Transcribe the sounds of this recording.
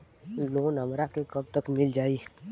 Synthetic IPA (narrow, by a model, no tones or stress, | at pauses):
loːnəmɾakekəb̚t̪əkmɪld͡ʒaːiː